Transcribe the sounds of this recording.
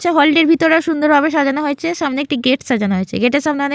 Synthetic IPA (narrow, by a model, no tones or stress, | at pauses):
t͡ɕʰaɦɔliɖeɾbʱit̪oɾaʃund̪oɾbʱaβeʃad͡ʑanaɦoet͡ɕʰeʃamneek̚ʈiɡeʈʃad͡ʑanaɦoet͡ɕʰḛɡeʈeʃamneane